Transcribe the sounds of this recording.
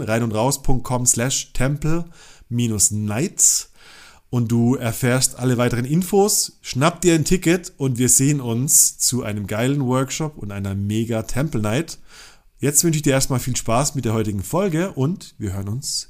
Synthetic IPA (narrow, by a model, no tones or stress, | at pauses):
ʁaɪnʊntʁaʊspʰʊŋk̚t̚kʰɔmslɛʃtʰɛmpl̩miːnʊsnaɪts | ʔʊnt̚d̥uːɛɐfɛːɐstʔaləvaɪtəʁ̞ənʔɪnfoːsʃnap̚d̥iːɐɪntʰɪkətʔʊntv̥iːɐzeːənʊnst͡suʔa̰ɪnəmɡaɪlənvœɐkʃɔpʊntʔaɪnɐmeːɡatʰɛmpl̩naɪt | jɛt͡stv̥ʏnʃ̬ɪçd̥iːɐeːɐstmaːlfiːlʃpaːsmɪt̚d̥eːɐhɔʏtɪɡŋ̩fɔlɡəʔʊntviːɐhøːʁənʊns